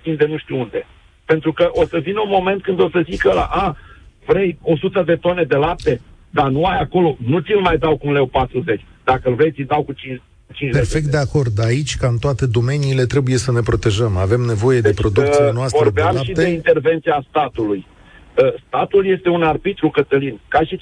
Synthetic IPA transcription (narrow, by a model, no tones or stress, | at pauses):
t̪ind̪enuʃt̪iund̪e̞ | pe̞nt̪ɾukəʔo̞səvinəunmo̞me̞nt̪̚kɨnd̪o̞səzikəla̰ʔavɾejo̞sut̪əd̪e̞t̪o̞ne̞d̪e̞lap̚t̪e̞d̪anuajako̞lo̞nut̪sʲilmajd̪awkunle̞wpat̪ɾuze̞t͡ʃʲd̪akəɨlvɾejt̪sʲid̪awkut͡ʃi | ut͡ʃint͡ʃperfe̞kt̪d̪eako̞rd̪ait͡ʃʲkaɨnt̪oat̪e̞d̪o̞me̞niːle̞t̪ɾe̞buje̞səne̞pɾo̞t̪e̞ʒəmave̞mne̞vo̞je̞d̪epɾo̞d̪usinoasvoɾɾədbeamlmaʃid̪eeint̪e̞rve̞nt̪siast̪at̪uluj | əst̪at̪ulje̞st̪e̞unarbit̪ɾukət̪əlinkaʃi